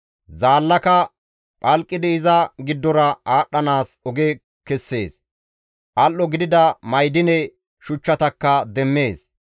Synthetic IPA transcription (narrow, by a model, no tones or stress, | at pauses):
zaːlːɐkɐ | pʼɐlkʼːɪd̪ɪːzɐɡɪd̪ːɔɾɐaːɗːɐnaːsɔɡe | kɛsːe̞ːs | ʔɐlːɔɡɪd̪ɪd̪ɐmɐjd̪ɪnɛ | ʃʊt͡ʃːɐt̪ɐkːɐd̪ɛmːe̞ːs